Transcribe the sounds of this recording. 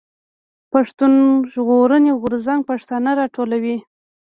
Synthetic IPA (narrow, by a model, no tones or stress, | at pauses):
paʂt̪unʒɣoɾəneɣʊɾzaŋɡ̚paʂt̪anaɾɑʈʰolawi